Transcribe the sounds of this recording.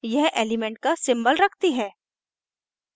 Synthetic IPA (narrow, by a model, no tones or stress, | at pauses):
jɛɦeːlɪmɛ̃ɳʈ̚kasɪ̃mbəlɾɐkʰt̪iɦɛː